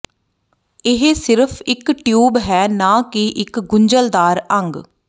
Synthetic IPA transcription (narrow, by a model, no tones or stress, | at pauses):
ɪɦesɪɾəpʰɪkʈjuːbɦɛːnãːkɪʔɪkɡʊɲd͡ʒəld̪aːɾəŋɡ